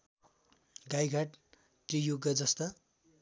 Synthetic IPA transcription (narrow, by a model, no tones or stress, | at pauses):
ɡajɡʱaʈ | t̪rijuɡʌd͡zʌst̪ʌ